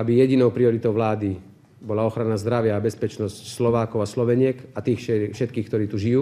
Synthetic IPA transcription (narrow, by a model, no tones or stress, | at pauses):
abijɛɟinɔʊpɾiɔɾit̪ɔʊʋlaːd̪i | bɔlaɔxɾanazd̪ɾaʋɪaːbɛspɛt͡ʃnɔscslɔʋaːkɔʊaslɔʋɛɲɪɛkat̪iːxɛfʃɛt̪kiːxkt̪ɔɾiːt̪uʒijuː